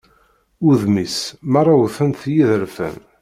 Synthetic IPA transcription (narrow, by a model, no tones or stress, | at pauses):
uðmismɑrˤːɑwθənθjiðəɾfə̰n